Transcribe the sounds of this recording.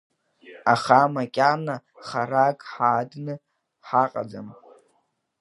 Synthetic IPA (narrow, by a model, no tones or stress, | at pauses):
aχamakʲʼanaχaɾakʼħaːdnɨ | ħaqʼa̰d͡za̰m